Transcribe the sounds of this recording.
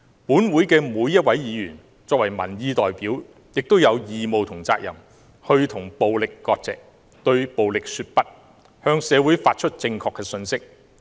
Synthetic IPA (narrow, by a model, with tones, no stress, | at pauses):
puː˨˥nwuː˨˥jkɛː˧muː˨˧jːɐ˥t̚wɐ˨˥jjiː˨˧jyː˨˩n | t͡sɔː˧k̚wɐ˨˩jmɐ̰˨˩njiː˧t̪ɔː˨jpiː˨˥w | jɪ˨k̚t̪o˥wjɐ˨˧wjiː˨mo˨wt̪ʰʊ˨˩ŋt͡saː˧k̚jɐ̰˨˩m | hɵ˧ɥt̪ʰʊ˨˩ŋpo˨wlɪ˨kːɔː˧k̚t͡sɛ̰ː˨k̚ | t̪ɵ˧ɥpo˨wlɪ˨k̚syː˧t̚pɐ˥t̚ | hœː˧ŋsɛː˨˧wuː˨˥jfaː˧t̚t͡ʃʰɵ˥t̚t͡sɪ˧ŋkʰɔː˧kːɛː˧sɵ˧nsɪ˥k̚